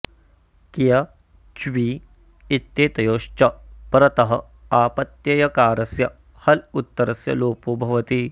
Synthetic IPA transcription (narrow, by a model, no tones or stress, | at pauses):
kijɐ | t͡ʃʋiː | it̪jeːt̪ɐjoːʃt͡ʃɐpɾɐt̪ɐɦɐ̆ | aːpɐt̪jɐjɐkaːɾɐsjɐ | hɐlut̪ːɐɾɐsjɐ̰loːpoːbʱɐʋɐt̪i